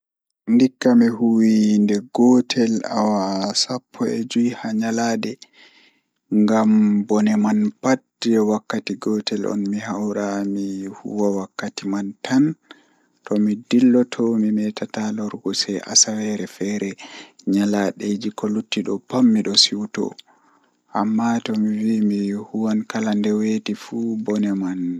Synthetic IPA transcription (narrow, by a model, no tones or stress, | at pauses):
ndikːamihuwindɛɡɔtʰɛla̰wasapʰːɔɛd͡ʒujhaɲalaːdɛ | ŋɡambɔnɛmanpat̚ | d͡ʒɛwakːatiɡɔtʰɛlʔɔ̰nmiɦawɾamihṵwawakːatimantʰan | tɔmidilːɔtʰɔmimɛtʰatalɔɾɡɔsɛʔa̰sawɛɾɛfɛɾɛɲalaɗed͡ʒikɔlutːiɗɔpamːiɗɔsiwtɔ̰ | ʔamːatɔmiwimihuwankalandɛwetifubɔnɛman